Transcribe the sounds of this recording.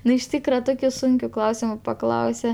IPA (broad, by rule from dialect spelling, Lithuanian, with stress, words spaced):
ˈnʊ ɪʃ ˈtʲiːkrɐ ˈtoːkʲʊ ˈsʊŋʲkʲʊ ˈklˠɐʊsʲɪmʊ pɐˈklˠɐʊsʲɛ